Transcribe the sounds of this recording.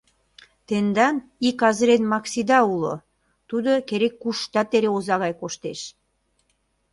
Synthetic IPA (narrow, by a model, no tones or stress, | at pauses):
t̪end̪ɑnikɑzɾenmɑksid̪ɑulo̰ | t̪ud̪okeɾekːuʃt̪ɑt̪eɾeozɑɣɑjkoʃt̪eʃ